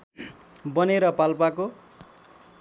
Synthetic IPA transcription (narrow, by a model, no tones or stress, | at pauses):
bʌneɾʌpalpako